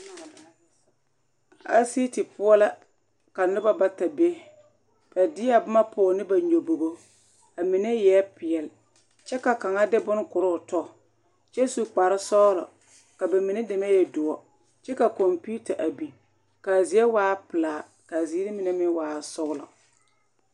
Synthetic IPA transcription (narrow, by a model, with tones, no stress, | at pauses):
a̰˦si˦ti˨pʊ˦ɔ˦la˦ | ka˨nʊ˦ba˦ba˦ta˨be˦ | b̥a˨dɪ˦a˦bʊ˦ma˦pʊː˨˦˨nɪ˦ba˨ɲo˨bo˨ɣo˦ | a˨mɪ˨ne˦jɛ˨˦pɪ˨ɛ˨l | t͡ʃɛ˦ka˨ka˨ŋa˦dɪ˦bʊ˦n˦kʊ˨ɾʊ˦˨tɔ˦˨ | t͡ʃɛ˦su˦k͡pa˨ɾɪ˦sɔ˦lɔ̰˨ | ka˨ba˨mɪ˨nɪ˦dɪ˨ma˦jɛ˨dʊ˨ɔ˨ | t͡ʃɛ˦ka˨ko˨mpu˦ta˨ʔa˨bi˨ | ka˨zi˨e˦waː˦pɪ˨laː˨ | ka˨ziː˦ɾɪ˦mɪ˨ne˦mɪ˦waː˨sʊ˦ɣlɔ̰˨